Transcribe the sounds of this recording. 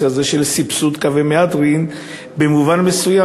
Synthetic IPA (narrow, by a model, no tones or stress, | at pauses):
kazeʃe̞lsipsud̪kavemead̪ʁin | bemuvanme̞suja